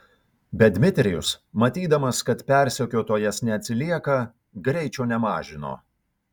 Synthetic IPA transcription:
bʲɛd̪ʲmʲɪt̪ʲɾʲɪjʊ̰smɐt̪ʲiːd̪ɐmɐskɐt̪pʲɛˑɾʲsʲɛkʲoːt̪oːjɛsnʲɛɐt̪ʲsʲɪlʲiɛkɐ | ɡɾʲɛɪt͡ʃʲɛːnʲɛmɑːʒʲɪno̰ː

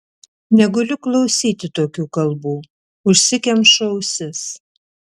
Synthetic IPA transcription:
nʲɛɡɐlʲʊklˠɐʊsʲiːt̪ʲɪt̪oːkʲuːkɐlˠbuː | ʊʃʲsʲɪkʲɛmʃɐʊsʲɪs

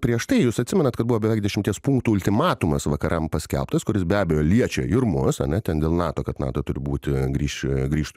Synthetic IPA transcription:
pʲɾʲiɛʃt̪ɐɪjuːsɐt̪ʲsʲɪmʲɛnɐt̪kɐd̪buʋoːbʲɛʋʲɛɪkd̪ʲɛʃʲɪmʲt̪ʲiɛspuŋkt̪uːʊlʲt̪ʲɪmɑːt̪ʊmɐsʋɐkɐɾʔɐmpɐsʲkʲɛ̰lˠpt̪ɐskʊɾʲɪs̬bʲæːbʲɛjoːlʲiɛt͡ʃʲɛ̰ɪɾmʊsɐ̰nʲɛt̪ʲɛnd̪ʲeːlˠnɑːt̪oːkɐt̪nɑ̰ːt̪oːt̪ʊɾʲɪbuːt̪ʲɪɡɾʲiːʃɡɾʲiːʃt̪

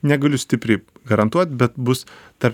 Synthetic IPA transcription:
nʲɛɡɐlʲʊsʲt̪ʲɪpʲɾʲɛɪɡɐɾɐnt̪uɔt̪̚ʲbʲɛt̪bʊst̪ɐɾ

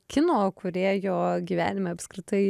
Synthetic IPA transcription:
kʲɪnoːkʰʊɾʲeːjoːɡʲiːʋʲæ̰ːnʲɪmʲeːɐpskɾʲɪt̪ɐɪ

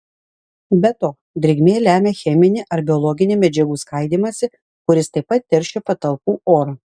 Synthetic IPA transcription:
bʲɛt̪oː | d̪ʲɾʲɛɡʲmʲeːlʲæːmʲeːxʲɛmʲɪnʲɪʔɐɾbʲɪɔlˠɔɡʲɪnʲemʲɛd͡ʒʲɛɡuːskɐˑɪd̪ʲiːmɐsʲɪ | kʊɾʲɪst̪ɐɪpːɐt̪̚ʲtʲːɛɾʲʃʲepɐt̪ɐlˠpuːʔoːɾɐ

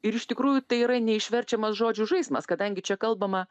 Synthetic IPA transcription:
ɪɾɪʃt̪ʲɪkɾuːjʊt̪ɐɪiɾɐnʲɛɪʃʲʋʲɛɾʲt͡ʃʲɛmɐsʒoːd͡ʒʲʊʒɐɪsmɐskɐd̪ɐŋʲɡʲɪt͡ʃʲɛkɐlˠbɐmɐ

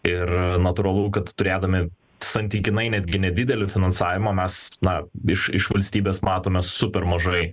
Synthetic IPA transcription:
ɪrnɐt̪ʊɾɐlˠʊːkɐt̪t̪ʊɾʲeːd̪ɐmʲɪ | sɐnʲt̪ʲiːkʲɪnɐɪnʲæd̪ʲɡʲɪnʲɛd̪ʲɪd̪ʲɛlʲɪfʲɪnɐnsɑːʋʲɪmɐːmʲɛsnɐɪʃɪʃʋɐlʲsʲt̪ʲiːbʲeːsmɑːt̪oːmʲɛsʊpʲɛrmɐʒɐɪ

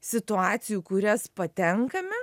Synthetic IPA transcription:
sʲɪt̪ʊɑːt̪sʲɪjuːkʊɾʲɛspɐt̪ʲɛŋkɐmʲɛ

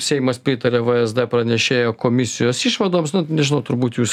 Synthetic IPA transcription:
sʲɛɪmɐspʲɾʲɪt̪ɐɾʲeʋɐɛzd̪ɛpɾɐnʲɛʃʲeːjoːkoːmʲɪsʲɪjoːsiʃʋɐd̪oːmsnʊnʲɛʒʲɪnɐʊt̪ʊɾbuːt̪juːs

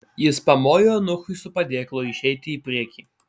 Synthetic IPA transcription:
jɪspɐmoːjoːnʊxʊɪsʊpɐd̪ʲeːklˠoːɪʃʲɛɪt̪ʲɪiːpʲɾʲiɛkʲiː

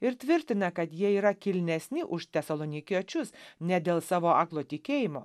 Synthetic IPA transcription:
ɪɾt̪ʲʋʲɪɾʲt̪ʲɪnɐkɐt̪jiɛiːɾɐkʲɪlʲnʲɛsʲnʲɪʔʊʃt̪ʲɛsɐlˠonʲɪkʲiɛt͡ʃʲʊsnʲɛd̪ʲeːlˠsɑːʋoːɑːklˠoːt̪ʲɪkʲeːjɪmoː

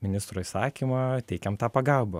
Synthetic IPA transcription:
mʲɪnʲɪst̪ɾoːisɑːkʲimɐt̪ʲɛɪkʲɛmt̪ɑːpɐɡɑlˠbɐ

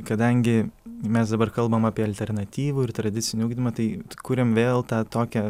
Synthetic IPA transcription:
kɐd̪ɐŋʲɡʲɪmʲɛsd̪ɐbɐrkɐlˠbɐmɑːpʲiɛɐlʲt̪ʲɛrnɐt̪ʲiːʋuːɪrt̪ɾɐd̪ʲɪt̪sʲɪnʲɪuːɡd̪ʲɪmɐt̪ɐɪkuːɾʲɪmʋʲeːlˠt̪ɑːt̪oːkʲɛ

